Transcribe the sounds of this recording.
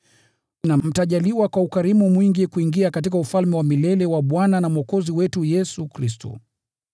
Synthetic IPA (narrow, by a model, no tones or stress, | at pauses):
nam̩taʄaliwakwaukaɾimumwiŋɡikuiŋɡiakatikaufalmɛwamilɛlɛwaɓwananamɔkɔziwɛtujɛsukɾistɔ̰